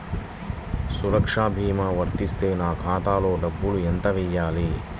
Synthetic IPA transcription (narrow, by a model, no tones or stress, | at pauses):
suɾɐkʂaːbʱiːmaʋɐɾt̪ist̪eːnaːkʰaːt̪aːloːɖɐbːulujɐnt̪ɐʋijːaːliː